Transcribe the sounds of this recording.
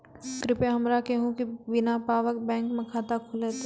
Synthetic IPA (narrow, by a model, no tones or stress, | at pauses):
kɾɪpeɦɐmɾakeɦũkibɪnapaːʋək̚bɛ̃ːŋkmẽkʰaːt̪akʰʊlet̪